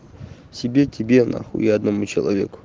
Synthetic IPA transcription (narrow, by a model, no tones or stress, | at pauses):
sʲibʲetʲibʲena̰xṵiɐd̪nɐmut͡ɕɪlˠɐ̰vʲḛkʊ̥